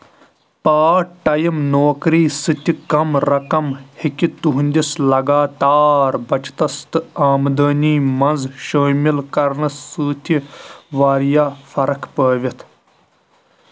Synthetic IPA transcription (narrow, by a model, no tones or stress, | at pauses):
paːʈɐjimnoːkɾiːsɨt̪ʲikɐmɾɐkɐmhikʲit̪uɦunʲd̪islɐɡaːt̪aːɾbɐt͡ʃt̪ɐst̪ɨaːmd̪ɐːnʲiːmɐnzʃoːmilkɐɾɳɨsɨːt̪ʲʰiʋaːɾjaːfɐɾɐkpəːʋʲit̪ʰ